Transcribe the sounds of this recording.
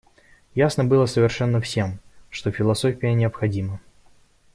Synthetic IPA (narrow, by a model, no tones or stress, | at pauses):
jasnəbɨlˠəsəvʲɪrʂɛnːəfsʲe̞mʂt̪o̞fʲɪlˠɐsofʲɪjənʲɪəpxɐdʲimə